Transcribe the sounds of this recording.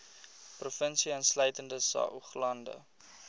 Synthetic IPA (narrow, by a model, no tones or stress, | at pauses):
profənsiənslœɥtəndəsɐ̰ːʔuχlɐndə̰